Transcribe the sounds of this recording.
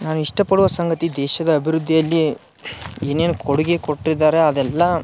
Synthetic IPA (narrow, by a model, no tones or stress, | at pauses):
naːnuiʂʈɐpɐɽuʋɐsɐŋɡɐt̪id̪ɛːʃɐd̪ɐːbʱiɾud̪ʱːijɐlːi | eːne̞ːnukʰoɽuɡekoʈːid̪ːaːɾe̞ɐd̪ɛlːɐ